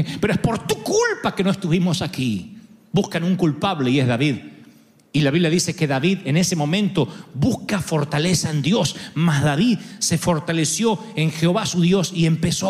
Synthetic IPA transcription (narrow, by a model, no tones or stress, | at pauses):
peɾoehspoɾt̪ukulpakenoest̪uβimosakibuskanuŋkulpaβleiezðaβið | ilaβiβljaðisekeðaβiðenesemõ̞mẽnt̪oβuskafo̞ɾt̪alesaend̪jo̞smazðaβiðse̞fo̞ɾt̪alesjo̞eŋxeoβasuðjo̞sie̞mpeso